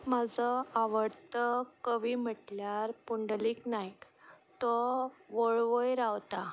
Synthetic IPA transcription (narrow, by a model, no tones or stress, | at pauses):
məd͡zɔaʋəɽt̪əkəʋiːm̤əʈljaɾpuɳɖliːknajk | t̪ɔʋəɭʋəjɾaʋt̪a